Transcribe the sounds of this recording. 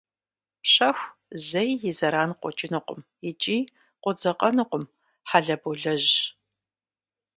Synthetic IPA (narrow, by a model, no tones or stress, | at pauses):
pɕɐxʷzɐjːɪzɐɾaːnqʷɔt͡ʃʼɪnɨqʷʊmjɪt͡ʃʼiː | qʷɔd͡zɐqʼɐnɨqʷʊm | ħaɮɐbuɮɐʑ